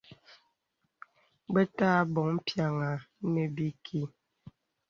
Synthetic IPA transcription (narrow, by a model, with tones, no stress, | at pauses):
bɛ˦taː˦bɔ˨ŋ̩˦pja˨ŋa˨ne˨bi˦kʰi˦